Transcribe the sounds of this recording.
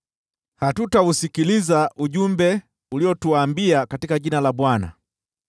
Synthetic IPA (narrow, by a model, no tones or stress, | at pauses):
hatutausikilizaʔuɟumbɛ | uliɔtuaːmbiakatikaɟinalabwana̰